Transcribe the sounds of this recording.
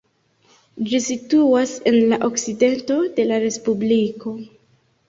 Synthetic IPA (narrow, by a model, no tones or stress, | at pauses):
d͡ʒisituase̞nlaʔo̞kside̞nto̞de̞laɾe̞spubliko̞